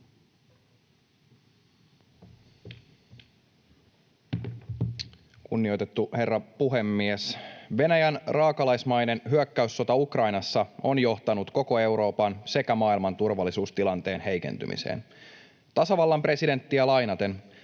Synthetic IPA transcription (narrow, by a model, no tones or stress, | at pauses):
kunːio̞jt̪et̪ːuhe̞rːɑpuɦe̞mːiesʋe̞næjænrɑːkɑlɑjsmɑjne̞nɦyøkːæysːo̞t̪ɑukrɑjnɑsːɑo̞njo̞ht̪ɑnut̪ko̞ko̞e̞wɾo̞ːpɑnse̞kæmɑːilmɑnt̪urʋɑlːisuːst̪ilɑnt̪e̞ːnhe̞jkḛnt̪y̰mḭsḛːn | t̪ɑsɑʋɑlːɑmpre̞side̞nt̪ːiælɑjnɑt̪e̞n